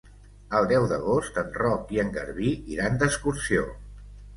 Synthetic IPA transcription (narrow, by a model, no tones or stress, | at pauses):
əlˠd̪ɛwðəɣost̪ənrɔkiəŋɡə̰ɾβiiɾand̪əskuɾsio̰